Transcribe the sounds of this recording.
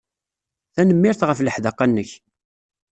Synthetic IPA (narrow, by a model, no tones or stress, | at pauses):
θænəmːɪɾθʁəfləħðɑqːænːəç